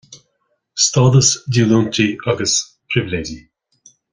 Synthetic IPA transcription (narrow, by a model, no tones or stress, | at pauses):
st̪ɑːd̪əsduːluːnt̪ʰiaɡəs | pʰɾɪvɪleːd͡ʒi